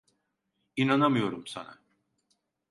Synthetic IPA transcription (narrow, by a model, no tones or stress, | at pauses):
inanamɯjo̞ɾumsa̰na̰